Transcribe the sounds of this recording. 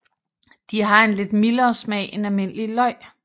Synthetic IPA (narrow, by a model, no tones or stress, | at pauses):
d̥iɦɑ̈e̝nle̝d̥milɐːsmɛ̰ːenælme̝n̰əlilɒ̽ɪ̰